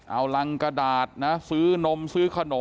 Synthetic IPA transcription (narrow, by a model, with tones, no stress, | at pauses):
ʔa˧˩wla˧ŋka˧daː˨˩t̪̚na˦˥sɯː˦˥no˧msɯː˦˥kʰa˧noː˩˦